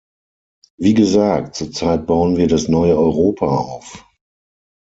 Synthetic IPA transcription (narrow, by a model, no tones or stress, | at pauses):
viːɡəzaːk̚tt͡suːɐt͡saɪt̚b̥aʊənviːɐdasnɔʏəɔʏʁoːpʰaa̰ʊf